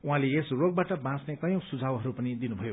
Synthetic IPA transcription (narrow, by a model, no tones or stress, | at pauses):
uɦãleesroɡ̚baʈʌbãt͡snekʌjõsud͡zʱawɦʌɾupʌnid̪inubʱʌjo